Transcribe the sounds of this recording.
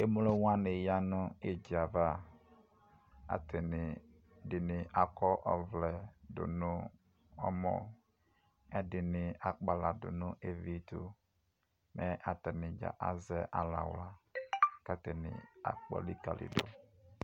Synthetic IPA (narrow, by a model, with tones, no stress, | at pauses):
e˦mu˦lo˦wa˦ne˨ja˦nʊ˦e˨d͡ʒi˨a˨va˦ | a̰˨tʰɛ˨nɪ˨ | dɪ˨nɪ˨ʔa˨kɔ˦ʔɔ˨vlɛ˨dʊ̰˨nʊ˦ | ɔ̰˦mɔ̰˨ | ɛ˦dɪ˨nɪ˨a˨k͡pa˨la˨dʊ̰˨nʊ˦ʔe˦vi˦tu˦ | mʔɛ˦ʔa˨tɛ˨nɪ˨d͡ʒa̰˨ʔa̰˨zɛ˦ʔa˨la̰˨wla˨ka˨tɛ˨nɪ̰˨a̰˨k͡pɔ̰˦li˦ka˨lḭ˨do˦